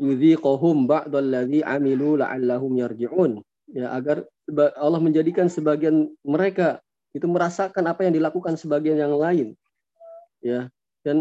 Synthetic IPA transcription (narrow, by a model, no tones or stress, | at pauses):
juðiːqʊɦʊmbaʕd̪ˤalːaðiʕa̰miluːla̰ʔa̰lːaɦʊmjard͡ʒiʕuːn | jaʔaɡarsəbaalːɑhməɲd͡ʒadikansəbaɡianməɾeka | it̪uməɾasakanapajaŋdilakukansəbaɡianjaŋlaɪn | ja | dan